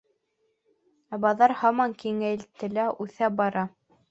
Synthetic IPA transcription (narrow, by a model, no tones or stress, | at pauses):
æbɑðɑɾhɑmɑŋkiŋælt̪ɘ̆læʔʉθæbɑɾɑ